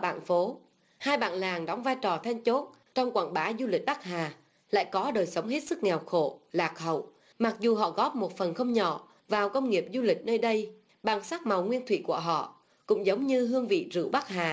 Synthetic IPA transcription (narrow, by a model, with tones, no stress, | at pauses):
ɓa̰ː˧˨nfo˨˦ | haː˧jɓa̰ː˧˨nlaː˨˩ŋɗɔ˨˦wŋ͡mvaː˧jt͡ɕɔ˨˩t̪ʰa˧jŋt͡ɕo˦˥t̚ | t͡ɕɔ˧wŋ͡mkwa̰ː˧˩nɓaː˨˦zu˧lï˨˩k̟̚ɓa˦˥k̚haː˨˩ | la̰ː˧˨jkɔ˨˦ɗəː˨˩jsə˨˦wŋ͡mɦe˦˥t̚sɨ˦˥k̚ŋɛ˨˩wxo̰˧˨laː˨˩k̚hə̰˧˨w | ma˨˩k̚zu˨˩ɦɔ̰˧˨ɣɔ˦˥p̚mo˨˩t̚fə˨˩nxə˧wŋ͡mɲɔ̰˧˨ | vaː˨˩wkə˧wŋ͡mŋi˨˩əp̚zu˧lï˨˩k̟̚nəː˧jɗə˧j | ɓaː˨˩nsaː˦˥k̚ma˨˩wŋwi˧ənt̪ʰwḭ˧˨ku˧˩əɦɔ̰˧˨ | kʊ̰˧˥ŋ͡mzə˨˦wŋ͡mɲɨ˧ɦɨ˧əŋvḭ˧˨zɨ̰˧˩wɓa˦˥haː˨˩